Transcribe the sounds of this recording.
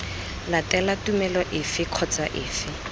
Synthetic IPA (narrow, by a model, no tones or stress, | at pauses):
latɛlatumɛlɔʔɪfɪkʰɔt͡saʔɪːfɪ